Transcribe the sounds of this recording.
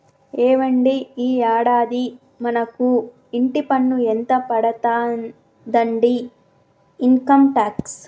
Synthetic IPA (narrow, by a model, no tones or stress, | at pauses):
eːʋɐɳɖiiːaːɽaːd̪i | mɐnɐku | iɳʈipɐnːuent̪ɐpɐɽɐt̪aːn | d̪ɐɳɖiː | ŋkɐmʈaːks